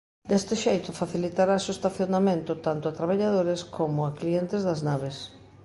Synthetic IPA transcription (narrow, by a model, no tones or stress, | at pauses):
d̪ɛst̪ɪʃejt̪ʊfaθilit̪aɾasoest̪aθjonamẽnt̪ʊt̪ant̪ʊat̪ɾaβaʎaðoɾeskʰomʊaklient̪ɪzðɐznaβes